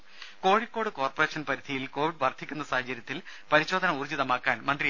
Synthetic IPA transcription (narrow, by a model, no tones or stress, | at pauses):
ko̞ːɻikʲːo̞ːɽɨko̞ːrpɐreːʂɐnpɐɾid̪ʱijilko̞ːʋiɖʋɐrd̪ʱikʲːunːɐsaːɦɐt͡ɕːɐɾjɐt̪ːilpɐɾiɕo̞ːd̪ʱɐnɐurd͡ʑiðɐmaːkːaːnmɐnd̪ri